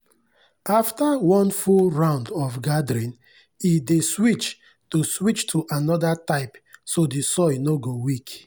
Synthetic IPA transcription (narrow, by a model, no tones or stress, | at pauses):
aftawɔ̃nfulɹãʊ̃ndɔfɡadɾĩn | ideswit͡ʃ | toswit͡ʃtʰuʔanɔdataɪpsodisɔnoɡowik